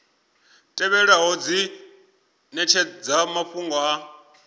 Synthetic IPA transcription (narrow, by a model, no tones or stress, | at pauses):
tʼɛβɛɺaɦɔd͡zi | nɛt͡ʃʰɛd͡zamaɸuŋɡɔa